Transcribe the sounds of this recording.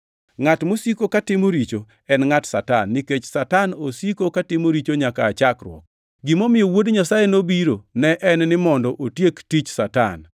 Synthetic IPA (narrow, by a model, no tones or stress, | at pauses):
ŋatmosikokatɪmoɾit͡ʃo | ɛnŋatsatanːiket͡ʃsatanosikokatɪmoɾit͡ʃoɲakaːt͡ʃakɾwɔ̰k̚ | ɡɪmomɪjowodɲasajenobiɾonɛʔɛnnɪmɔndɔʔotjektit͡ʃsata̰n